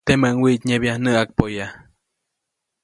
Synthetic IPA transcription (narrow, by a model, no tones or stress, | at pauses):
t̪emaŋwiʔt̪ɲeβjahnəʔak̚poja